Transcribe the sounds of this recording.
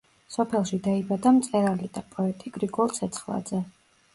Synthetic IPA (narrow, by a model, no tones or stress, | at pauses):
sɔpʰɛlˠʃid̪aibad̪amt̪sʼɛɾalid̪apʼɔɛt̪ʼiɡɾiɡɔlˠsʰɛt̪sʰχlˠa̰d̪z̥ɛ